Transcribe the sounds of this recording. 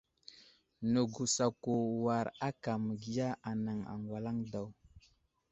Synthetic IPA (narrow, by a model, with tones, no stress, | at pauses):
nə˨ɡu˨sa˨ko˨wa˨ɾa˦ka˨mə˨ɡi˦ja˦a˨na˨ŋa̰˨ŋɡwa˨la˦ŋda˨w